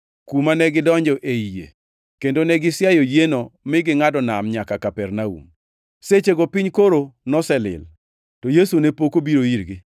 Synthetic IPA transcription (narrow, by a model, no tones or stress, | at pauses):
kumanɛɡɪdɔɲd͡ʒɔʔeijḛ | kendonɛɡɪsjajɔjenomɪɡɪŋadɔnamɲakakapɛrnaṵm | set͡ʃeɡɔpiɲkoɾonɔsɛlɪ̰l | tɔjesunepokobiɾoiɾɡɪ